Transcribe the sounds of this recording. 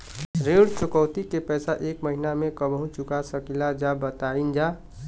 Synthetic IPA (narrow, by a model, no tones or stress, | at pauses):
ɾeɽt͡ʃʊkəwt̪ikepɛsaʔekməɦinamekəbʱɦũt͡ʃukasəkilad͡ʒabət̪aind͡ʒa